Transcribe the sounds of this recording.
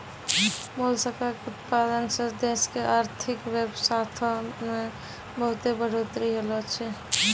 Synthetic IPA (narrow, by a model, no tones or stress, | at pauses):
bolsəkakeut̪pad̪ənsəd̪eskeʔaɾt̪ʰikʋebsat̪ʰme | bəɦut̪ebəɽ̤ot̪ɾiɦelɔt͡ʃʰɛ